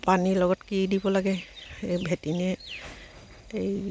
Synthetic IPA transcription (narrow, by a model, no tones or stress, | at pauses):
paniɹlɔɡɔtkidibɔlaɡɛbʱetinɛ | ej